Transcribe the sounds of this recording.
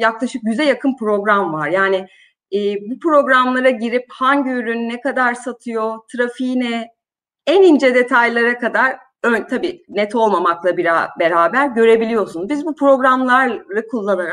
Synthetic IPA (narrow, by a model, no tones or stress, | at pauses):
jaklˠaʃɯk̚ɟyzɛjakʰɯnpɾo̞ɡɾamvaɾjaːnɪː | bupɾo̞ɡɾamlˠaɾaɟiɾiphanɟyɾynːɛkad̪aɾsat̪ʰɯjo̞t̪ʰɾafinɛ | ɛnind͡ʒɛd̪e̞t̪ʰajlˠaɾakʰad̪aɾ | ønt̪ʰabiːnɛt̪ʰo̞lˠmamaklˠabiɾa̰be̞ɾaːbæɾɟø̞ɾe̞bilʲijo̞sunbizbupʰɾo̞ɡɾamlˠaɾɯkʰulˠːanaɾa